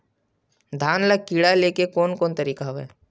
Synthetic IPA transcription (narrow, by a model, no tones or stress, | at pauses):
d̪ʱaːnləɡ̚kiːɽaleːkekoːnkoːnt̪ɐɾiːkaɦoɛ̰ː